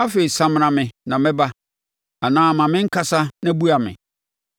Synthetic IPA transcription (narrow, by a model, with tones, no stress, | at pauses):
a˦fe˨i˨sã˦m̃˨ã˨mɪ̃˨nã˨mɪ̃˦ba˦ | a˨nãː˦˨mã˨mɪ̃˦ŋ̩˦kʰa˨sa˦nã˦bu˦a˨mɪ̰̃˨